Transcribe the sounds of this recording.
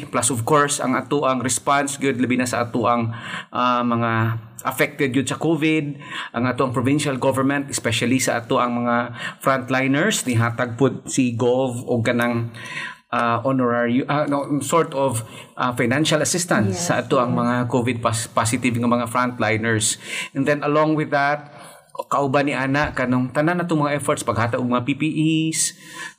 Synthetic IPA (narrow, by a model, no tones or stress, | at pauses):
plasɔvkoɹsɐ̰ŋʔat̪oʔɐŋɾɛspansɡʊd̪̚lɐbinasɐ̰ʔɐ̰t̪oʔɐŋʔamɐŋa | ʔɐfɛk̚t̪ɛd̪̚ɡʊd̪̚sɐkoːvɪd̪̚ʔɐŋat̪oʔɐŋpɹovɪnʃalɡovɛɹmɛnt̪ɛspɛʃalisɐʔɐ̰t̪oʔɐŋmɐŋafɾant̪lajnɛɹsnɪɦaːt̪ɐɡ̚pʊd̪̚siɡolvoɡ̚kɐnaŋ | ʔaʔonoɹaɹjʔanosoɹt̪ov | ʔafajnanʃalɐsɪst̪ɐnsːɐʔɐt̪oʔɐŋmɐŋakovɪd̪̚paspasɪt̪ɪvŋɐmɐŋafɹant̪lajnɛɹsɛnd̪ɛnɐloŋwɪðat̪̚ | kɐʔʊbaniʔaːnaʔkɐnoŋt̪ɐnanɐt̪oŋmɐŋaʔɛfɔɹt̪spɐɡ̚haːt̪aɡoɡ̚mɐŋapipiʔis